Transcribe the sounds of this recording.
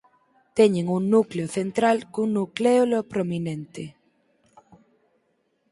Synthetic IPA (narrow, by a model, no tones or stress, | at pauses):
t̪ɛɲeŋuŋnukleoθent̪ɾalkuŋnukleolopɾominẽnt̪e